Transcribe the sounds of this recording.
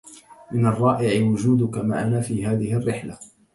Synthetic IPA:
mɪnɑrˤːɑːʔɪʕɪwʊd͡ʒuːd̪ʊkama̰ʕʔanaːfiːɦaːðɪhrːɪħla

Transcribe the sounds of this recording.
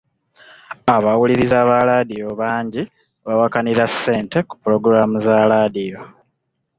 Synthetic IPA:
aβawuliɾizaβaɾadijo̞βaːɲɟi | βawakaniɾasːe̞ːnte̞ku̥puɾo̞ɡuɾamuzaɾaːdijo̞

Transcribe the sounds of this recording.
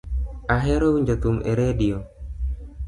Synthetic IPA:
aɦɛɾowuɲd͡ʒot̪umʔḛɾedio

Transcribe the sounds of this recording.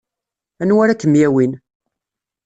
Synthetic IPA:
ænwaɾakːəmjæwin

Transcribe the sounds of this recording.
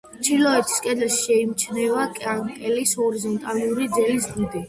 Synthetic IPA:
t͡ʃʰilɔɛt̪ʰi̥skʼɛd̪ɛlʃʃɛimt͡ʃʰnɛvakʼakʼɛlishɔɾizɔnt̪ʼaluɾid̪zɛlisɡid̪i

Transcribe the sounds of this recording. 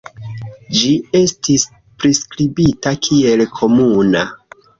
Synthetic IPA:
d͡ʒie̞stis | pɾiskɾibitakʰie̞lkʰo̞muna

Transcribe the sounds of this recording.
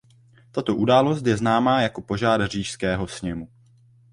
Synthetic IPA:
t̪at̪o̞ʔudaːlo̞st̪jɛznaːmaːjako̞po̞ʒaːdr̝iːʃskɛːɦo̞sɲɛmu

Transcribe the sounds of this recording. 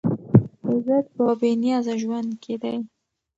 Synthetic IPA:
ɪzəd̪̚pəbenijɑzaʒwand̪kʰed̪aj

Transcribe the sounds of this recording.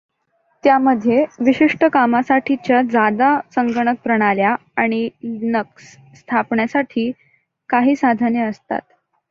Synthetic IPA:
t̪jaməd̪ʱjeʋiɕiʂʈəkamasaʈʰit͡ɕjad͡zad̪asəŋɡəɳ̃ək̚pɾəɽ̃alja | aɽ̃inəks | st̪ʰapɳjasaʈʰiː | kaɦiːsad̪ʱanjəəst̪a̰t̪̚

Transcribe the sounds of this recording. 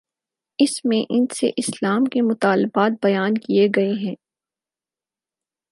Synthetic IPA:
ɪsmẽʔɪnsḛʔɪslaːmkemʊt̪aːlɪbaːt̪̚bɐjaːnkieɡɐeɦɛ̃ː

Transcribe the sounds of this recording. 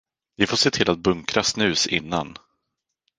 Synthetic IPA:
vɪfoːʂeːt̪ʰɪlʔat̪̚bɵŋkɾasnʉ̟ːsɪ̰nːan

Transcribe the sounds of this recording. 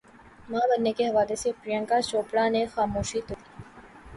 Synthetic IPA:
mãːbɐnːekeɦɐʋaːlesepɾijə̃ŋkaʃoːpɽanexaːmoːʃit̪ʊɾiː

